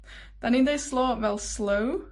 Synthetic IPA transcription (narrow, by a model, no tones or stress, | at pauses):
d̪̥ɛnɪnd̪eɪsloːʋɛlsləʊ